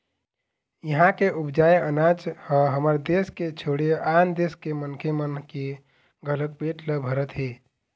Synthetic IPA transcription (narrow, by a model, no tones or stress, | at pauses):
jəɦãkeʔubd͡ʒajənat͡ʃhəɦəməɾd̪esket͡ʃʰoɽeand̪eskemənkʰemənke | ɡʱələk̚beʈləbʱəɾət̪ɦe